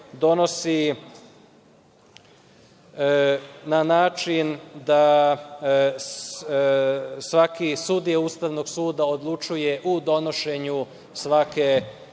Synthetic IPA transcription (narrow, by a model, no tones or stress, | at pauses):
d̪o̞no̞si | nanaːt͡ʃind̪a | sʋakisud̪ijaust̪aʋno̞ɡsuːd̪aod̪lˠut͡ʃuje̞ʔud̪o̞no̞ʃe̞ɲu | sʋake̞